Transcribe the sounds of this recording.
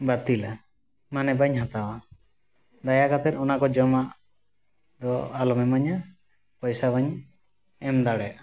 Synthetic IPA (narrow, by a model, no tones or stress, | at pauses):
bat̪ila | manɛbaɲɦat̪awa | d̪ajakat̪ɛɾɔnakɔd͡ʒɔmaʔ | d̪ɔalɔmɛmaɲa | pɔjsabaɲ | ɛmd̪aɽɛa